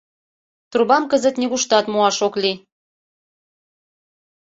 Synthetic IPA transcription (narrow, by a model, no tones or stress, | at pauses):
t̪uɾβɑmkəzə̆t̪nʲeɣuʃt̪ɑt̪muɑʃokli